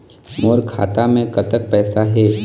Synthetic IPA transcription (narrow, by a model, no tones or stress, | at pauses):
moːɾkʰa̰ːt̪amẽkɐt̪ək̚pɛːsaɦɛː